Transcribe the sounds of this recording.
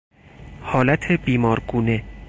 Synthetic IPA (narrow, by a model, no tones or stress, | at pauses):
hɒːlæt̪ʰebiːmɒːɾɡuːne